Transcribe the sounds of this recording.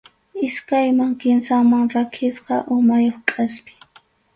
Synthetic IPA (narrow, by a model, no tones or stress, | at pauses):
ɪskajmaŋkɪnsaŋmaŋɾakʰɪsqɑ̰ʔʊmajoχkʼaspɪ̥